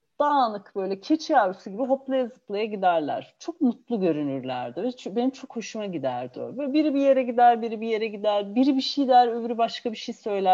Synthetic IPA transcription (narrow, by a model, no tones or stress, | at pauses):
d̪̥aːnɯkb̥ø̞jlʲɛcʰet͡ʃʰiavɾɯsuɟibiɦo̞plˠajazɯplˠajaɟid̪æɾlʲˠæ̰ɾ̥t͡ʃʰo̞k̚mut̪lˠuɟø̞ɾynyɾlʲæ̰ɾd̪ɪvɛbe̞nimt͡ʃʰo̞kho̞ʃumaɟid̪æɾd̪io̰ɾvɛbiɾibije̞ɾɛɟid̪æɾbiɾibije̞ɾɛɟid̪æɾbiɾibiʃijd̪æɾømɾybaʃkʰabiʃijsø̞jlʲæ